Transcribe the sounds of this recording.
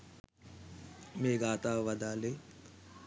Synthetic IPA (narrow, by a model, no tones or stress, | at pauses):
meːɡaːt̪aːʋɐd̪aːle